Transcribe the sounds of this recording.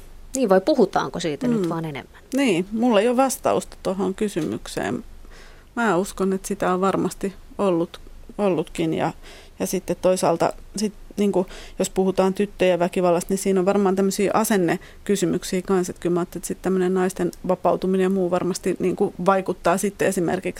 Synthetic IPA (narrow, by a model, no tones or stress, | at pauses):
niːʋʋɑipuhut̪ɑ̰ːŋkosiːt̪ænyt̪ʋɑːnenḛmːænniːmulːeijoʋɑst̪ɑ̰ust̪ɑ̥t̪ohoŋkysymy̰ksḛːm | mæːuskonet̪sit̪æoʋʋɑrmɑst̪i | olːut̪olːut̪kinjɑ̰ | jɑsit̪ːet̪toisɑ̰ːlt̪ɑ̰sit̪niːŋkujospuhut̪ɑːnt̪yt̪ːøjɑʋækiʋɑlːɑst̪nisiːnoʋʋɑrmɑːnt̪æmːøsiːʔɑsenːe | kysymyksiːkɑnset̪kylmɑːt̪ːelit̪sit̪t̪æmːønennɑist̪enʋɑpɑut̪uminejɑmuːʋɑrmɑst̪iniːŋkuʋɑikut̪ːɑːsit̪ːeesimḛrkiks